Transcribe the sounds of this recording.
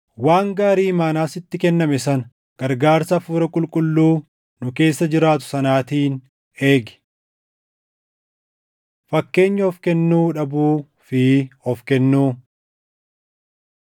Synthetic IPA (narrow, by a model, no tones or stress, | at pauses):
waːŋɡaːɾiːmaːnaːsɪt̪ːɪkɛnːɐmɛsɐnɐ | ɡ̥ɐɾɡaːɾsɐfuːɾɐkʼʊlkʼʊlːuː | nʊke̞ːsːɐd͡ʒɪɾaːt̪̬ʊ̥sɐnaːt̪iːn | e̞ːɡɛ̥ | fɐkːe̞ːɲːɐhɔfkɛnːuːᶑɐbuː | fɪhɔfkɛnːuː